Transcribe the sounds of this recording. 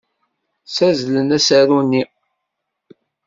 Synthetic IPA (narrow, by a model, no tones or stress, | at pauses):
sæzlənæsæɾunːi